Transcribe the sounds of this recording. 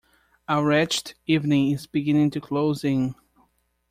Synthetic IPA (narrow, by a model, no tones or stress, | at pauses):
əɹɛt͡ʃtivnɪ̃ŋɪzbɨɡɪ̃nɪ̃ŋtɨkʰloʊzɪ̃ŋ